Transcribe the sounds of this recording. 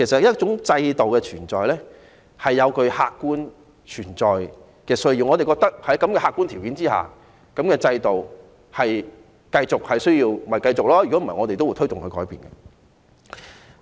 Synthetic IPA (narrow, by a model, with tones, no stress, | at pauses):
kʰe˨˩sɐ˨t̚jɐ˥t͡ʃʊ˨˥ŋt͡sɐ˧jt̪o˨wkɛː˧t͡ʃʰyː˨˩nt͡sɔː˨jlɛː˥ | hɐ˨jːɐ˨˧wkɵ˧ɥhaː˧kkːuː˥n | t͡ʃʰyː˨˩nt͡sɔː˨j | kɛː˧sɵ˥ɥji˨˧wŋɔː˧e˨jkɔː˧k̚t̪ɐ˥k̚hɐ˨˥jkɐ˨˥mkɛː˧haː˧kːu˥nt̪ʰiː˨˩wkiː˨˥nt͡siː˥ha̰ː˨ | kɐ˨˥mkɛː˧t͡sɐ˧jt̪o˨w | hɐ˨j | kɐ˧jt͡sʊ˨k̚hɐ˨jsɵ˥ɥjiː˧wm̩˩˨ɐ˨˩jkɐ˧jt͡sʊ˨k̚lɔː˥jy˨ɔ˨˥m˨˩˨ɐ˨˩ŋɔː˨˧t̪e˨jt̪o˥wu˧˥jt̪ʰɥt̪ʊ˨ŋkʰɵ˨˧ɥkɔː˨˥jpiː˨nɡɐ˧